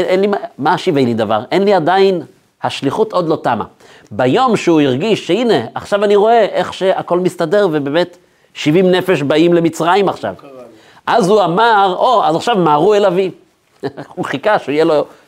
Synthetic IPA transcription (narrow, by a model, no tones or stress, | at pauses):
enlimamaʃivejnid̪ava̰ʁʔe̞nliadain | haʃliχutʔo̞dlo̞tama̰ | bajo̞mʃeuiʁɡiʃːeine̞aχʃavaniʁo̞e̞ʔe̞χʃe̞ʔako̞lmistade̞ʁvebe̞ːme̞t | ʃivimne̞fe̞ʃ̬baimle̞mit͡sʁaimaχʃa̰v | ʔazuamaʁʔoazaχʃavmaːʁuelavi | mχikaʃuijelo